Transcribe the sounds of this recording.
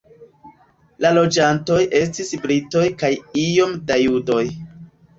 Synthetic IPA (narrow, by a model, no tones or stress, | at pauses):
lalo̞d͡ʒanto̞jʔe̞s̬tisbɾito̞jkajijo̞mdajudo̞j